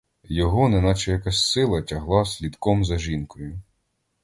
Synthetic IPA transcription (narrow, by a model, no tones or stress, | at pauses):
jɔɦɔnɛnɑt͡ʃɛjɐkɑsʲsɪlˠɐtʲɐɦlˠɑsʲlʲid̪kɔmzɐʒinkɔjʊ